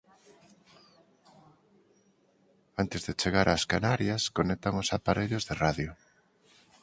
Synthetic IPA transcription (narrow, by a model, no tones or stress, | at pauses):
ant̪ezðet͡ʃeɣaɾʔaskanaɾjaskonek̚t̪aŋosapaɾeʎozðeraðjʊ